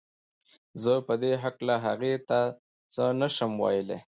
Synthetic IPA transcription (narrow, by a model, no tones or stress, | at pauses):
zəpəd̪eɦaklaɦaɣet̪a | t͡sənəʃəmwɑ̰jəlḛ